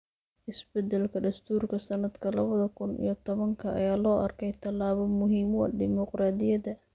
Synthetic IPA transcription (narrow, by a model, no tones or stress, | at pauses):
ʔɪsbɛd̪ɛlkʰɐd̪ɐst̪ʰuːrkʰɐsɐnɐd̪kʰɐlɐβɐðɐkʰʊnḭjɞt̪ʰɔβɐŋkʰɐʔɐ̰jaːlɔːʔɐrkʰɛjt̪ʰɐlːaːβɔmʊɦiːmɔ̰ɖɪmɔqraːd̪ɪjɐðɐ